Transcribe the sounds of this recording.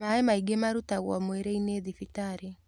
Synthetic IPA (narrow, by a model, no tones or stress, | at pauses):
aemaiɡemaɾutaɣwɔ̰mweɾeineðifitaɾe